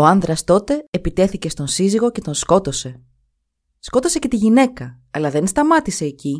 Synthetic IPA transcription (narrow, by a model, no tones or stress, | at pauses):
oɐnðɾɐst̪o̞t̪e̞eːpit̪e̞θice̞st̪o̞nsiziɣo̞ce̞t̪o̞nsko̞t̪o̞se̞ | sko̞t̪o̞se̞cet̪iʝine̞kɐ | ɐlɐðe̞nst̪ɐmɐt̪ise̞ːci